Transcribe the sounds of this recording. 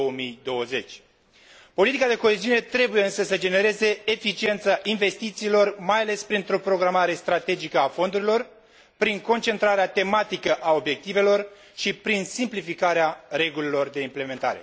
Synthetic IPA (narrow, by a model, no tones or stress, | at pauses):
owəmijd̪o̞wəze̞t͡ʃʲ | po̞lit̪ikad̪e̞ko̞eziune̞t̪ɾe̞bujeɨnsəsəd͡ʒe̞ne̞ɾe̞ze̞ːfit͡ʃie̞nt̪saʔinve̞st̪it̪siːlo̞rmajale̞spɾint̪ɾo̞pɾo̞ɡɾamaɾe̞st̪ɾat̪e̞d͡ʒikəafo̞nd̪uɾilo̞r | pɾiŋko̞nt͡ʃe̞nt̪ɾaɾeat̪e̞mat̪ikəʔao̞bje̞k̚t̪ive̞lo̞r | ʃipɾinsimplifikaɾeare̞ɡulilo̞rd̪e̞imple̞me̞nt̪a̰ɾḛ